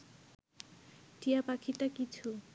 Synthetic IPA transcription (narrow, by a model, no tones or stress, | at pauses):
ʈijapakʰiʈakit͡ɕʰu